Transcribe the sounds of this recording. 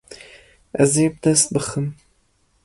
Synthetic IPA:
ɛzeːbəd̪ɛst̪̚bɨxɨm

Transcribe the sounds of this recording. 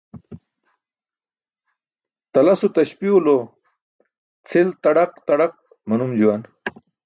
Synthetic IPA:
t̪ɐlasot̪ɐɕpiulo | t͡sʰelt̪ɐɽaqt̪aɽaq̚ | mɐnumd͡ʑuwan

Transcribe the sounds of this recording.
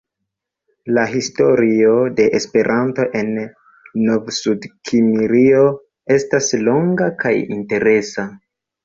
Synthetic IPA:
laɦisto̞ɾio̞de̞ʔespe̞ɾʔanto̞ʔe̞nː | ovsudkʰimiɾio̞ | e̞staslo̞ŋɡakajḭnte̞ɾe̞sa

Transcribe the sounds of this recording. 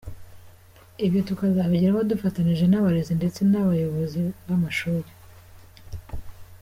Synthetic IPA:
ibjo̞tukazaβaɟiɾahodufataniʒe̞naβaɾezinde̞t͡se̞naβajo̞βo̞ziβamaʃuːɾe

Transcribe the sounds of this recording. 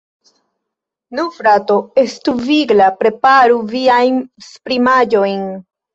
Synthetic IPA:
nufɾato̞e̞stuviɡlapɾe̞paɾuviajnspɾimad͡ʒo̞jn

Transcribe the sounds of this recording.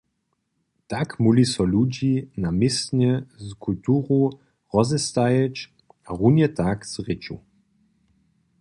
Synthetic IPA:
t̪akmulisɔlud͡ʑinamɪsnɛzkʰult̪uːʁu | ʁɔzɛst̪ajɛt͡ʃ | aʁunjɛt̪akz̥ʁɪt͡ʃṵ

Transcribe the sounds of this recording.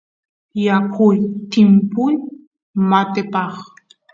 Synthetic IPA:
jakʰʊjt̪ɪmpʊj | mat̪ɪpɑχ

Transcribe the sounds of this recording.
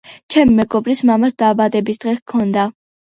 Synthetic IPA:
t͡ʃʰɛmimɛɡɔbɾismamasd̪aːbad̪ɛbisd̪̥ʁɛkʰɔnd̪a

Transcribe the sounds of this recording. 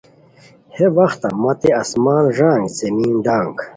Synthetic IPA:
hewɐxt̪ɐ̰mɐt̪eɐsmaːnʐaːŋɡzemiːnɖ̪ãːŋɡ

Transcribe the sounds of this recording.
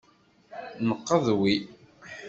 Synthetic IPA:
nəqːəðˤwi

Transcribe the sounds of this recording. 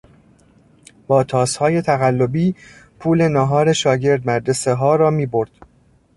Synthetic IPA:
b̥ɒːt̪ʰɒːshɒːje̞t̪ʰæɣælːo̞biːpʰuːle̞nɒːɦɒːɾe̞ʃɒːɟe̞ɾd̪mæɾd͡ʒe̞seɦɒːɾɒːmiːbo̞ɾd̪̥

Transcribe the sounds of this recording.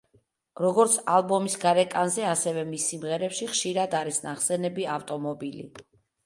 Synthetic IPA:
ɾɔɡɔɾt̪sʰalˠbɔmisɡaɾɛkʼanzɛasɛvɛmisːimʁɛɾɛpʃiχʃiɾad̪aɾisnaχsɛnɛbiaft̪ʼɔmɔbilḭ

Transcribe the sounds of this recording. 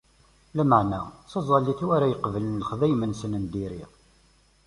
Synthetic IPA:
læməʕnæsɑzˤɑlːiθwæɾæjəqvələnləχðæjmənsənənd̪iɾiʁ

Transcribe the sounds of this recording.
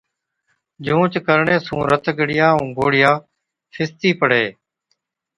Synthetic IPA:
d͡ʒũːt͡ʃkəɾɳeːsũːɾət̪ɡəɽɪjaːʊ̃ːɡoːɽɪjaː | fʰɪst̪iːpəɽ̤eː

